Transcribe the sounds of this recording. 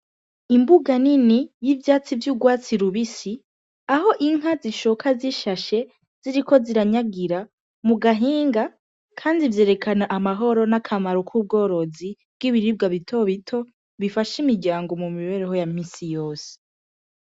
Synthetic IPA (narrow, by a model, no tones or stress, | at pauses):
imbuɡaninijivjaːt͡sivjuːɡwaːt͡siɾuβisi | aho̞ʔiŋ̥ɦaziʃokʰaziʃaʃe̞ | z̥iɾikʰo̞ziɾaɲaɡiɾa | muɡaɦiːŋɡa | kʰaːndivje̞ːɾe̞kanaʔamaɦo̞ɾo̞nakʰamaɾokʰuːb̚ɡo̞ːɾo̞zi | b̥ɡiβiɾib̚ɡaβitʰo̞βitʰo̞ | βifaʃimiɾɟaːŋɡo̞mumiβe̞ːɾeɦo̞jamiːsijo̞ːse̥